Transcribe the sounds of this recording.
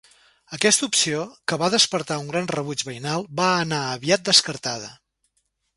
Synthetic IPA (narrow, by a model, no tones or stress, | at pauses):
əkɛst̪upsiokəβaðəspəɾt̪auŋɡɾanrəβud͡ʒβəjnalˠbaənaəβiat̪̚d̪əskəɾt̪að̞ə̰